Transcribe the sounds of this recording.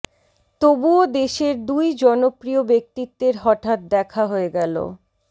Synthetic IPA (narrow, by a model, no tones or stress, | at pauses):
t̪obuod̪eʃeɾd̪ujd͡ʑɔnopɾiobek̚t̪it̪ːeɾɦɔʈat̪̚d̪ɛkʰaɦoeɡɛlo̰